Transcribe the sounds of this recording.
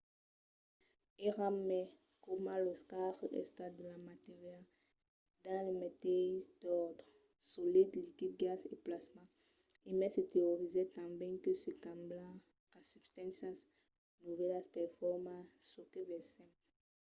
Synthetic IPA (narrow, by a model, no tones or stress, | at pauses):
eʁamɛ | komãloskaʁɛ̰st̪ad̪əlamat̪eʁjal | d̪ãlemet̪ɛsd̪ɔʁd̪ʁ | solid̪likid̪̚ɡaseplasmã | emɛset̪eoʁizɛt̪ãbɛ̃køsekãmbla | asybst̪ãnsãs | nuvɛlaspɛʁfɔʁmãsːokevɛsɛ̃m